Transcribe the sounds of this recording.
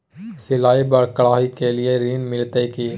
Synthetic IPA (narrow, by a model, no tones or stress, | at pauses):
sɪlaːibəɾkɐɭaːɦikelɪeɾiːnmɪlt̪ekiː